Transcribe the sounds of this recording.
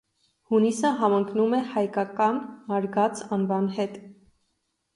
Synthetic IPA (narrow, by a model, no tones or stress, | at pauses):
hunisəɦɑməŋkʰnumɛhɑjkɑkɑnmɑɾɡɑt͡sɑnvɑnɦɛt̪